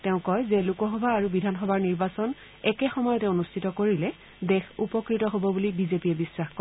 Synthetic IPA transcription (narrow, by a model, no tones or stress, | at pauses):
tɛʊ̃kɔjzɛlukɔxɔbʱaːɹubidʱanxɔbʱaɹniɹbasɔn | ɛkɛxɔmɔjɔtɛʊ̃onustʰitɔkoɹilɛ | dɛxupɔkɹitɔɦobɔbulibizepiɛbiswaxk